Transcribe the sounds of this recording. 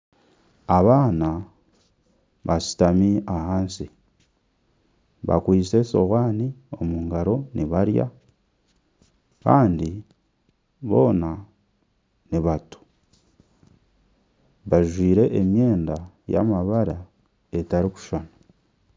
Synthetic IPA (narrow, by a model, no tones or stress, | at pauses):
aβaːna | βasi̥tamiahaːnsi | βa̰kwiːse̞soɣwaːnio̞muŋɡaɾo̞nʔiβaɾja̰ | kaːndi | βo̞ːna | niβatu̥ | βaʒwiːɾe̞ʔːmje̞ːnda | ja̰maβaɾa | e̞taɾiku̥ʃona